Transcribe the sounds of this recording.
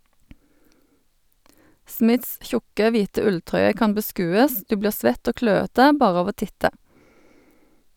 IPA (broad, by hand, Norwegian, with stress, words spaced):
ˈsmɪts ˈçʊkə ˈʋiːtə ˈʉlˌtʁœʏə ˈkɑm bəˈskʉːəs ˈdʉː ˈbliːʁ ˈsʋɛt ˈoː ˈkløːətə ˈbɑːʁ ˈɑʋ ˈoː ˈtɪtə